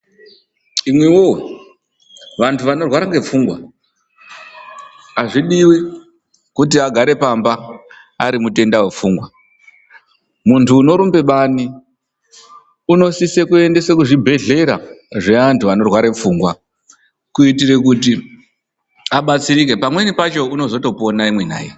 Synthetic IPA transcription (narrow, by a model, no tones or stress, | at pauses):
imwewo | ʋantʰuʋano̞rwaɾaŋɡe̞fuːŋɡwa̰ | aʐiɗiwi | kut̬iaɡʱaɾe̞pamba | aɾimute̞ndawe̞fuːŋɡwa | muntʰuːno̞ɾumbe̞ɓaːni | uno̞sisekue̞nde̞sekuʐibʱe̞ɮe̞ɾaʐe̞ʋantʰuʋano̞rwaɾe̞p͡fuːŋɡwa | kuitire̞kuti | aɓat͡siɾik̬e̞pamwe̞nipat͡ʃo̞uno̞zo̞to̞po̞naimwe̞n̤a̰ːje